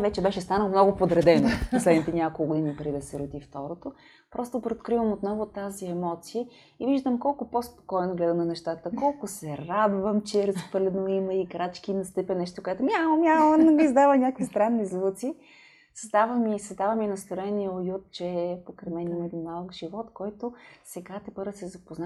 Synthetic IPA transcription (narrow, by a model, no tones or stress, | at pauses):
vɛt͡ʃɛbɛʃɛst̪anəlˠmnɔɡʊpod̪ɾɛd̪ɛnoposlɛd̪nit̪ɛnʲakolˠkːɡʊd̪inipɾd̪id̪ɐsɛɾʊd̪ift̪ɔɾot̪o | pɾɔst̪opɾet̪kɾivəmot̪nɔvot̪aziɛmɔt̪sijə | iviʒd̪əmkɔlˠkʊpospo̥kɔjnoɡlɛd̪ənɐnɛʃt̪at̪əkɔlˠkʊsɛɾad̪vəmt͡ʃɛɾəspəlɛnoiməikɾat͡ʃkinɐst̪ɛpɛnɛʃt̪okoɛt̪omiaomʲjalənoɡizd̪avənʲakkvist̪ɾanːizlˠut̪si | səzd̪avəmiːsɐzd̪avəminɐst̪oɾɛniəojut̪̚t͡ʃɛpokɾɛmɛniməd̪imnalˠkʒivɔt̪kɔjt̪osɛɡat̪ɛpɤɾəsɛzɐpozna